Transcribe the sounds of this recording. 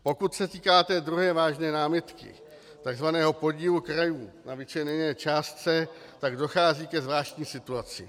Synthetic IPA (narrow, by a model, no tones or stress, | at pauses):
po̞kut̪sɛt̪iːkaːt̪ɛːd̪ɾuɦɛːvaːʒnɛːnaːmɪt̪kɪ̰ | t̪aɡzvanɛːɦo̞po̞ɟilukɾajuːnavɪt͡ʃɛnɛnɛːt͡ʃaːst̪t͡sɛ | t̪aɡdo̞xaːziːkɛzvlaːʃcɲiːsɪt̪uat͡sɪ̰